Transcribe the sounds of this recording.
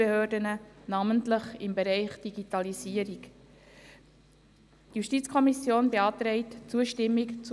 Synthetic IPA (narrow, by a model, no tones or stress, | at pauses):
ehøːdənənɑməntləχɪmbeɾɛɪχd̥iɡitɑlisiəɾik | tjuʃtiːt͡skʰɔmisjoːnbeɑːt̪ɾɛɪtt͡suəʃtɪmːikt͡s